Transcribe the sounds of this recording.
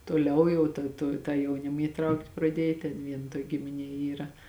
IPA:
toːˈlʲɛʊ jɛʊ tɐ toː ˈtɑː jɛʊˈnʲɪm iːˈtrɐʊktʲ prɐˈdʲiɛj tʲɛn ˈʋʲiɛn ˈtuɔkʲ ɡʲɪmʲɪˈnʲiɛ ˈiːrɐ

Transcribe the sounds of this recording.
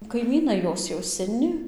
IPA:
kɐɪˈmʲiːnɐɪ ˈjoːs jɛʊ sʲɛˈnʲɪ

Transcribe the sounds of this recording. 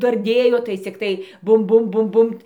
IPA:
dɐrʲˈdʲeːjoː tɐɪ t͡sʲɪkˈtɐɪ ˈbʊm ˈbʊm ˈbʊm ˈbʊmt

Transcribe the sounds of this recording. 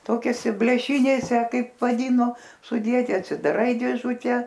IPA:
ˈtoːkʲoːsʲɪ bʲlʲeːˈʃʲɪnʲeːsʲɛ ˈkɐɪp ʋɐˈdʲiːnoː sʊˈdʲiɛtʲɪ ɐtʲsʲɪdɐˈrɐɪ dʲeːˈʒʊtʲɛ

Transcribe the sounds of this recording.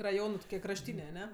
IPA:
rɐˈjoːnɜ tʊˈkʲiɛ krɐʃʲˈtʲiːnʲeː ɐˈnʲɛ

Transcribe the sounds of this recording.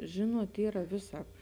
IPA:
ˈʒʲɪnuɔt ˈiːrɐ ˈʋʲɪˌsɑːp

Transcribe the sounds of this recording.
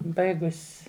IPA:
ˈbɐɪɡʊsʲ

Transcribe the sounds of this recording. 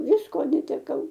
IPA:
ˈʋʲɪskoː nʲɛtʲɛˈkɐʊ

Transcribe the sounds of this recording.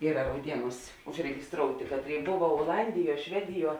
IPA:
ˈiːrɐ rɐʊˈdʲiɛˌnuːsʲ ʊʒʲrʲɛɡʲɪsˈtroːʊtʲeː ˈkɑːtʲˌrʲeːɪ ˈboːʋɐ oːˈlˠɐnʲdʲɪˌjuɔ ˈʃʲʋʲæːdʲɪˌjuɔ

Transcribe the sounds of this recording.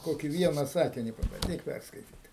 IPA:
ˈkoːkʲɪ ˈʋʲiɛnɐ ˈsɑːkʲɪnʲɪ pɐbɐnʲˈdʲiːk ˈpʲærskɐɪtʲiːt

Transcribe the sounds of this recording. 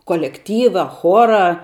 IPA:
koːlʲɛkˈtʲiːʋɐ ˈxoːrɐ

